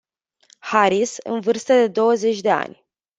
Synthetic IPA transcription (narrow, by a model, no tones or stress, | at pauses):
haɾisɨ̰nvɨrst̪əd̪e̞d̪o̞wəze̞t͡ʃʲd̪e̞a̰nʲ